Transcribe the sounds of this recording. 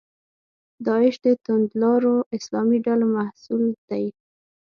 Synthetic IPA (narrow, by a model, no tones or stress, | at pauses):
d̪ɑɪʃd̪ət̪ʊnd̪lɑɾoʔɪslɑmiɖalomahsuld̪̥aj